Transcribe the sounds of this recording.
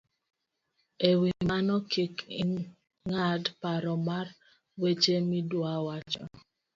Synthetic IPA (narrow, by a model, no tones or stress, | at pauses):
ewimanɔkʰiki | ŋadpaɾɔmar | wet͡ʃemidwawat͡ʃɔ